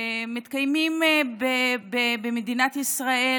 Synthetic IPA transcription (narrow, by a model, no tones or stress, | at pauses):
mit̪kajmimbebebemed̪inat̪isʁae